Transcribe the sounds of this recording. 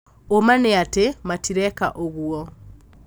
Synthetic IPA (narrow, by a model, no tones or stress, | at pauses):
omaneatematiɾɛka̰ʔoɣuɔ